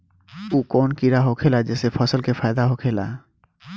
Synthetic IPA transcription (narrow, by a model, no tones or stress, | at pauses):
uːkɔnkiɾaɦokʰelad͡ʒɛsepʰɔsəlkepʰaɪd̪aɦokʰela̰